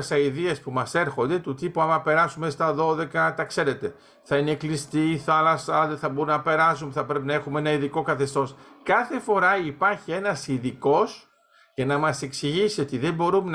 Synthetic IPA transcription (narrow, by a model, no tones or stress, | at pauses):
sɐiðiespumɐse̞ɾxo̞nd̪e̞t̪ut̪ipuɐmɐpe̞ɾɐsumest̪ɐðo̞ðe̞kɐt̪ɐkse̞ɾe̞t̪e̞ | θɐineklist̪iθɐlɐsɐðeθɐbo̞ɾumnɐpe̞ɾɐsumpθɐpɾe̞p̬inɐe̞xumeenɐiðiko̞kɐθe̞st̪o̞skɐθe̞fo̞ɾɐipɐɾçie̞nɐsiðiko̞s | cɐnɐmɐse̞ksiʝisio̞t̪iðe̞mbo̞ɾume